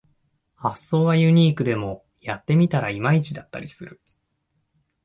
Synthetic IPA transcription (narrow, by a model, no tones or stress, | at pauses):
hasːo̞ːβajɯ̟ɲ̟iːkɯ̟d̪e̞mo̞ | jat̪ːe̞mʲit̪aɾaimait͡ɕid̪at̪ːa̰ɾʲisɨɾɯ̟̰